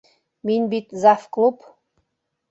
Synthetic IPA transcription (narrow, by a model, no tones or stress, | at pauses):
minʲbit̪zɑfklˠup